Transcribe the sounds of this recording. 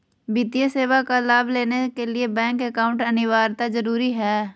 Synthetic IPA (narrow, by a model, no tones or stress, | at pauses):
bɪt̪ijeseːwakalaːbleːnekeliebɛ̃ːŋkɛkaːʊ̃ɳʈɐnɪʋaːɾt̪azəɾuːɾiɦɛː